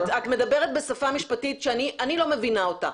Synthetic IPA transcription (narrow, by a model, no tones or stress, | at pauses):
tat̪me̞d̪ɐbe̞ʁet̪̚be̞safamiʃpatitʃeaniʔanilo̞me̞vinaota̰